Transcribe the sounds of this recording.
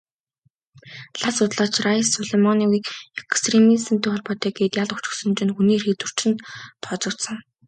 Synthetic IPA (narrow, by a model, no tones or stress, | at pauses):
ɮasʊt̪ɮaːt͡ɕrasʊɮemɔniwiːkekst̪ʰremisɘ̆mt̪ʰeːχɔɮpɔːt̪ɛːɡeːt̪jaɮʊkt͡ɕɪ̥̆ksɵ̆nt͡ɕɪ̆nxuniːrxet̪wŭr̥t͡ɕɪ̆nt̪ʰːɔːt͡sɞ̆t̪sə̆ŋ